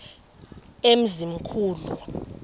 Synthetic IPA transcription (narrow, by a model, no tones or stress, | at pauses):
em̩zim̩kʰuːlṵ